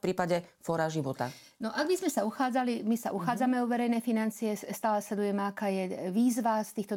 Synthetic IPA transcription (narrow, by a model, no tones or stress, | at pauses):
pɾiːpaɟɛfɔɾaʒiʋɔt̪a̰ | nɔʔaɡ̚bizmɛsauxaːd͡zalimisa̰ʔuxaːd͡zamɛuʋɛɾɛjnɛfinant͡siɛst̪aːlɛslɛd̪ujɛmɛakaːjɛʋiːzʋast̪iːxt̪ɔ